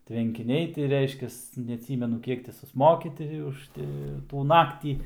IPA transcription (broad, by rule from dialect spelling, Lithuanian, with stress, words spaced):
tʲʋʲɛŋʲkʲɪˈnʲɛɪ tʲɪ ˈrʲɛɪʃʲkʲɛs nʲɛɐˈtʲsʲiːmʲɛnʊ ˈkʲiɛk tʲɪ sʊsˈmoːkʲɪ ˈtʲɪ ʊʃ ˈtʲɪ tuː ˈnɑːktʲiː